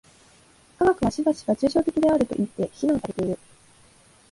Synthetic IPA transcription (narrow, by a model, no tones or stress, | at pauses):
kaɡakɯ̟naɕibaɕi̥ɡat͡ɕɨːɕo̞ːt̪e̞kʲid̪e̞aɾɯ̟t̪o̞ʔit̪ːe̞çinõːsaɾe̞t̪e̞iɾɯ̟